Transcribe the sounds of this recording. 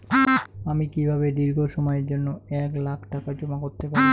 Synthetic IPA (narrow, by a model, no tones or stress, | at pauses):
amikibʱaβed̪iɾɡʱoʃɔmɔjeɾd͡ʑonːoɛklakʰʈakad͡ʑomakoɾt̪epaɾ